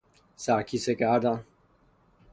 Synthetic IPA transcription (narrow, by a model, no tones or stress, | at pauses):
sakisekʼaːda